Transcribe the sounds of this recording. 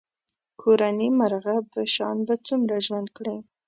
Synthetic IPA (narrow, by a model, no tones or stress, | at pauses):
kʰoɾanimaɾɣapəʃɑ̰nbat͡sumɾaʒwand̪kɽe